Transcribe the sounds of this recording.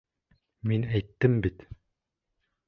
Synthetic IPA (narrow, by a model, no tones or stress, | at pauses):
minæjt̪ːɘmbit̪